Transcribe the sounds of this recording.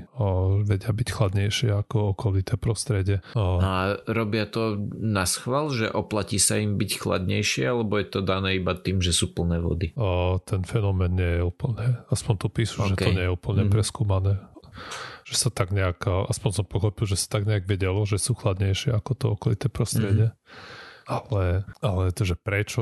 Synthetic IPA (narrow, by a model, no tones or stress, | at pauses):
ʋɛɟɪabicxlad̪ɲɛjʃɪɛakɔɔkɔlit̪ɛːpɾɔst̪ɾɛɟɪɛnaɾɔbɪat̪ɔnasxʋalʒɛ̰ʔɔplaciːsaimbicxla̰d̪ɲɛjʃɪɛalɛbɔjɛt̪ɔd̪anɛːibat̪iːmʒɛsuːpl̩nɛːʋɔ̰d̪it̪ɛnfɛnɔmɛːnːɪɛjɛuːpl̩ɲɛaspɔnt̪upiːsu̥ʒɛt̪ɔɲɲɛjɛuːpl̩ɲɛpɾɛskuːmanɛː | ʒ̥ɛsat̪aɡɲɛakːʔaspɔɲsɔmpɔxɔpilˠʒɛsḁt̪aɡɲɛaɡʋɛɟɛlɔʒɛsuːxlad̪ɲɛjʃɪɛakɔt̪ɔɔkɔlit̪ɛːpɾɔst̪ɾɛɟɪɛ | alɛalɛʒɛpɾɛt͡ʃɔ